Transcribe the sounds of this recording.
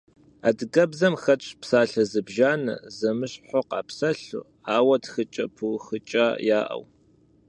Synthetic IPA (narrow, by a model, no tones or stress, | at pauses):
a̰dɡɐbzɐmxɐt͡ʃʼpsaːɬɐzɨbʒaːnɐ̰zɐmɨɕħʷɔqɑ̰ːpsɐɬṵ | aːwɐtxɨt͡ʃʼɐpʰuwxɨt͡ʃʼaːjaːʔɐ̰w